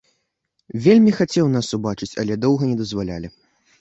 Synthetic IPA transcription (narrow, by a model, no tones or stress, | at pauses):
vʲelʲmʲixat͡sʲɛwnasubat͡ʂɨt͡sʲɐlʲɛd̪ɔwɣɐnʲɛd̪ɐzvalʲalʲi